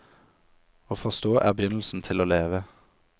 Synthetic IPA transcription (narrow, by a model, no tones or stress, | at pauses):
oːfɔʁst̪oːʔæːbəjʏnl̩sn̩t̪ʰɪloːleːʋə